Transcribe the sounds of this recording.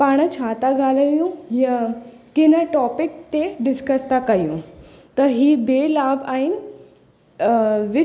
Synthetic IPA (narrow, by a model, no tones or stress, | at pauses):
paɽ̃ət͡ɕʰat̪aɡʱaləjũjə | kinəʈɔpik̚t̪eɖɪskəst̪akajṵ̃ | t̪əɾɦiːbelabain | ʋi